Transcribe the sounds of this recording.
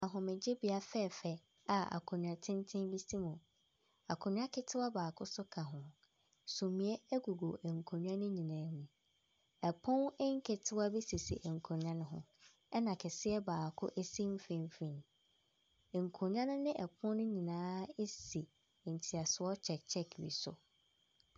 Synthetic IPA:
ã˨ɦʊ̃˨mɪ̃˨d͡ʑɪ˦bi˨a˦fɛ˦˨fɛ˨ | a˨a̰˨kʰʊ̃˨ɲ̃ᶣ˨ã˨tʰɪ̃˦n˦tʰɪ̃˦bi˦si˦mʊ̃˨ | a˨kʰʊ̃˨ɲᶣ˦ã˦kʰɪ˦tʰɪ˦a˦baː˨kʰʊ˦sʊ˦kʰã˨ɦʊ̃˨ | sũ˨mĩ˨e˦ɛ˦ɡu˨ɡo˨ʔŋ̩˨kʰõ˨ɲᶣ˦ã˦nʊ̃˦ɲĩ˨nãː˨˦nũ˨ | ɛ˨pʰʊ̃˦nɛ˦ŋ˦kʰɛ˨tʰɪ˦wa˦bi˦si˨sḭ˨ʔŋ̩˨kʰõ˨ɲ˦ã˦nʊ̃˦ɦʊ̰̃˨ | ɛ˦nã˨kʰɛ˨sɪ˦ɛ˦baː˨kʰʊ̰˦ʔe˦si˦m̩˦fẽ˨m˦fĩ˨n˨ | ŋ̩˨kʰõ˨ɲ˦ã˦nʊ̃˦nɪ̃˦ʔɛ˨pʰʊ̃˦nʊ̃˦ɲĩ˨nãː˦e˦si˨ | n̩˨tʰi˨a˨sʊ˨ɔ˦t͡ɕʰɛ˨t͡ɕʰɛ˦kʰwḭ˨sʊ̰˨

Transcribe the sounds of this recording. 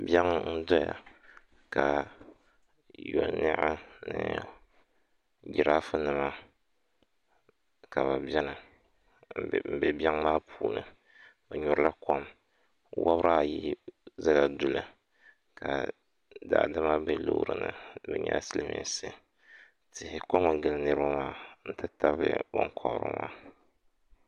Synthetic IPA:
bʲɛ˦ŋ˦n̩˦dɔ˦ja̰˨ | ka˨ | jo˨nɨ̰˦ʔa˦nɨ˦ | d͡ʒi˨ɾa˦fɨ˦nɨ˨ma˦ | ka˨βa˨bɛ˦nɨ˨ | m̩˨bɛ˨bʲɛ˦ŋmaː˦pʰuː˨nɨ˨ | bɨ˨ɲɔ˨ɾla˦ko˦m | wʔa̰˦βɾa˦a˨ji˦za˦la˨du˨lɨ˨ | ka̰˨ | da̰˨dɨ˦ma˦bɛ˦lo̰˦ɾɨ˨nɨ̰˨bɨ˦ɲɛ̰˦sɨ˦lɨ˦mi˨˦a̰˨sɨ˦ | tɪ˨hɪ˨ko˦ma˨ɡɨ˨lɨ˦nɨ˦ɾɨ˦ba˦maː˦n̩˦tɨ˦ta˦βɨ̰˦bɔ̰˦ŋkʰɔ˨˦ɾɨ̰˦ma̰ː˦

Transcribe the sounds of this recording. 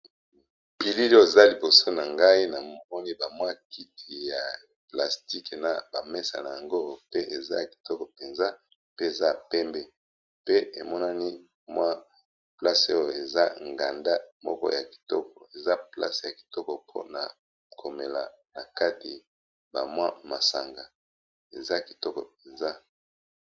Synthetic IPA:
pi˨li˦li˦o˨za˦li˨bo˨so˦na˨ŋɡa˦i˦na˨mɔ˦ni˦ba˨mwa˦ki˦tʰi˨ja˨ | pla˨sti˦ke˨na˨ba˨me˦sa̰˨na˨ja˨ŋɡo˦pe˦ʔe˨za̰˦ja˨ki̥˨tɔ˦kɔ˨pe˨nza˦ | pe˦e˨za˦˨pɛ˦mbɛ˦ | pe˦e˨mɔ˦na˦ni˦ | mwa˦ | pla˦so˦jo˨e˨za˦ŋɡa˨nda˦mɔ̰˦kɔ̰˦ja˨ki̥˨tɔ˦kɔ˨e˨za˦pla̰˦se˨ja˨ki̥˨tɔ˦kɔ˨pʰo̰˦na̰˨ | kʰo˨me˨la˨ | na˨ka˦ti˨ | ba˨mwa˦ma˨sa˨ŋɡa˨ | ḛ˨za˦ki̥˨tɔ˦kɔ˨p̚e˨nza˦

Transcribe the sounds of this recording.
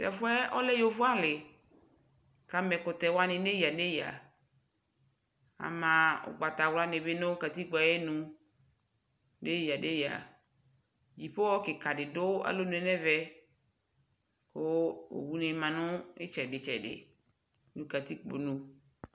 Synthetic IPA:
tɛ̰˨fʊ˦ɛ˦ɔ˦lɛ˦jo˨vʊ˦a˦lɪ˨ | ka˦mɛ˨kʊ˨t̪ɛ˨wa˦nɪ̃˨ne˦ji˨a˨ne˦ja̰˨ | a̰˨mã˨ʊ̰˨ɡ͡ba˨t̪a˨wla˦nɪ˨bɪ˦nʊ̃˦ka˨t̪i˦ɡ͡ba˨jɛ˦nũ˨ | ne˦ji˨a˨de˦ja̰˨ | d͡ʒi˨po˦wɔ˦kɪ˨ka˨dɪ˨dʊ˦a̰˨lo˦n˨ɛ˨˦nɛ˦vɛ˦ | kʊ˦o̰˨wu˦nɪ˨˦mã˨nʊ̃˦ɪ˦t͡ʃɛ˨dɪ˨t͡ʃɛ̰˨dɪ̰˨ | nũ˨ka˨t̪i˦k͡po̰˨nũ˨

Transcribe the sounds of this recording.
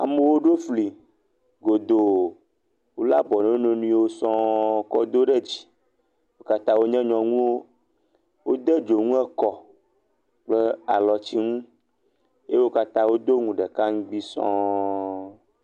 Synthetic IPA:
a̰˨me˦wo˦ɖo˦fli˨ | ɡo˨d̪o˨ | wo˦la˦bɔ˨nẽ˨wo˦nẽ˦nũ˦i˦wo˦sɔ̃˦kɔ˦d̪o˦ɖɛ˦d͡ʑi̥˨ | wo˦ka˦t̪ã˦wo˦ɲɛ̃˦ɲɔ̃˨ŋũ˦wo˦ | wo˦d̪ɛ˦d͡ʒo˨ŋũ˦ɛ˦kɔ˨ | k͡plɛ˦a̰˨lɔ˨t͡ɕi˦ŋũ˦ | je˦wo˦ka˦t̪ã˦wo˦d̪o˦ŋũ˨ɖɛ˨ka˦ŋ̩˦ɡ͡bi˦sɔ̰̃˦

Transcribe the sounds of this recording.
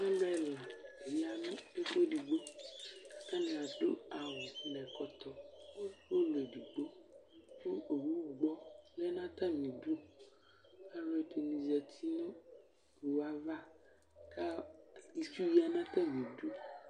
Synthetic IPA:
ã˦lo˦ɛ˦˨la˨e˨ja˨nũ˦e˦k͡po˦di˨ɡ͡bo˦ka˨tã˦nẽ˨a˨do˦a˨wo˨lɛ˨kɔ˨t̪ɔ˨˦wo˦lo˨e˨di˨ɡ͡bo˦fu˦o˨wu˦˨ɡ͡bɔ˦lɛ˦nã˦t̪ã˦mĩ˨du˦ | a˦lo˨ɛ˨te˨nĩ˨zɛ˨t̪ʰi˦nɔ̃˦ | ku˨wa˦va˦ | ka˦i˨su˦ji˦a˨nã˦t̪ã˦mĩ˨du˦

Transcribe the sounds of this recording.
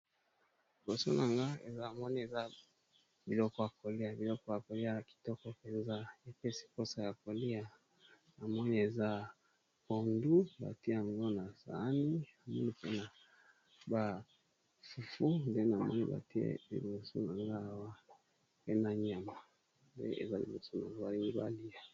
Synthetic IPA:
li˨bo˨so˦na˨ŋɡa˦ḛ˨za˦˨mɔ˦ni˦e˨za˦ | bi˨lɔ˦kɔ˦ja˨ko˨li˦a˨bi˨lɔ˦kɔ˦ja˨ko˨li˦a˦ki̥˨tɔ˦kɔ˦pe˨nza˦e˨pe˦si̥˨ko˦sa˨ja˨ko˨li˦a˨ | a˨mɔ˦ni˦e˨za˦ | ko˨ndu˦ba̰˨ti˦a˨ŋɡo˦na˨za̰˨˦ni˦na˨mɔ˦ni˦pe˦na˨ | ba˨ | fu˨fu˦nde˦na˨mɔ̰˦nḭ˦ba̰˨ti˦ḛ˦lḭ˨bo˨so̰˦na˨ŋɡa˦˨wa˦ | pe˦na˨ɲa˨ma˨ | ndḛ˦ḛ˨za˦lḭ˨bo˨so˦na˨ŋɡa˦ba˨li˦ŋɡi˦ba̰˨li˦a˨

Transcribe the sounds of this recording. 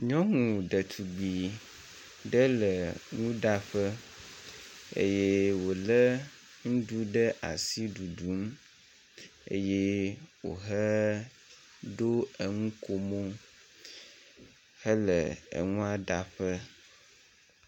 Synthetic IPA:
ɲɔ̃˦ŋũ˨ɖə˨t̪ʰu˨ɡ͡bi˨ | ɖə˦lə˨ŋũ˦ɖa˦ɸə˦ | ḛ˦jɛ˦wo˨lə˦ | ŋũ˦ɖu˦ɖə˦ʔa˨si˦ɖu˨ɖu˨˦m | ḛ˦jɛ˦wo̰˨ɦə˦ | ɖo˦ə˨ŋũ˦kʰo˦mo˦ | hə˦lə˨ə̰˨ŋũ˦a˦ɖa˨ɸə˦

